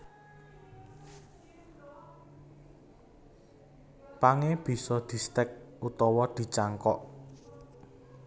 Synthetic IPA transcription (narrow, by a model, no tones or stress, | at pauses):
paŋeb̥i̤sɔd̪̥i̤st̪ɛk̚ut̪ɔwɔd̪̥i̤t͡ʃaŋkɔʔ